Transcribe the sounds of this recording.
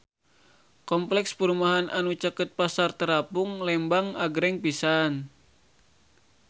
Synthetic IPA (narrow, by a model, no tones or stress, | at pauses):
kɔmplɛkspəɾumaɦanʔanut͡ʃəkət̪̚pasart̪əɾapuŋlɛmbaŋaɡɾɛŋpisan